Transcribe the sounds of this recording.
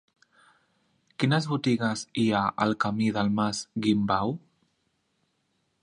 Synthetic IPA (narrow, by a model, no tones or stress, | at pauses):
kinəzβut̪iɣaziaʔa̰lkamiðalmazɡimbaw